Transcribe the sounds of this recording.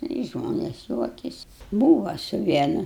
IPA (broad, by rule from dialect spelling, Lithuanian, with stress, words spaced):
ˈnʊ ɪ ˈʒmoːnʲɛs ˈjuɔkʲɛsʲɪ ˈbuːʋɐ sʊ ˈʋʲiɛnʊ